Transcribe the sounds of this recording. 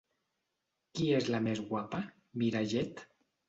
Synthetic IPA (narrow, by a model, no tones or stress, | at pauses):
kiezlamezɣwapa | miɾaʒet̪